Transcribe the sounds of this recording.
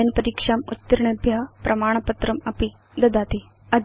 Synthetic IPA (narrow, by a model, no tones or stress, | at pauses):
ɐnpɐɾiːkʂaːmṵt̪ːɐɾɳɐbʱjɐɦɐpɾʔɐmaːɳ̃ɐpɐt̪ɾɐmɐpi | d̪ɐd̪aːt̪i | ɐd̪